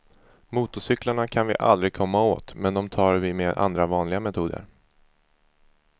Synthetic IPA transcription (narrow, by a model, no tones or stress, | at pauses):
muːt̪ʊʂʏklaɳakʰanvɪ̰ʔa̰ld̪ɾɪɡ̚kʰɔmːao̰ːt̪mɛnd̪ɔmt̪ʰɑːɾvɪmeːʔa̰nd̪ɾavɑːnlɪɡamɛt̪ʰuːd̪ə̰ɾ